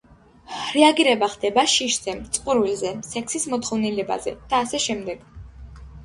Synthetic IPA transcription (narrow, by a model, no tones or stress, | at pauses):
ɾɛaɡiɾɛbaχd̪ɛbaʃiʃz̥ɛmt̪sʼqʼuɾvilzɛsɛkʰsismɔt̪χɔvnilɛba̰zɛ̰d̪̥aːsɛʃɛmd̪ɛɡ̥